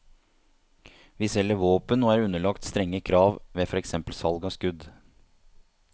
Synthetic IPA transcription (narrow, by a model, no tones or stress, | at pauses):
ʋɪsɛlːəʋoːpənoːæːɾʉnəɭɑkt̪st̪ɾɛŋːəkʰɾɑːʋʋeːfɔɾɛksɛmpəlsɑlɡɑskʉd̪